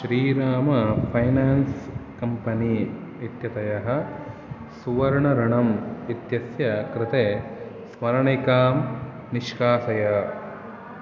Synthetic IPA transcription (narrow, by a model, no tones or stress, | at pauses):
ʃɾiːɾaːmɐpʰɐjnaːnskɐmpɐni | it̪jɐt̪ɐjɐɦɐ̆ | suʋɐɾɐɳɐɾɐɳɐmit̪jɐsjɐkɾɪt̪eː | smɐɾɐɳikaːm | niʃkaːsɐjɐ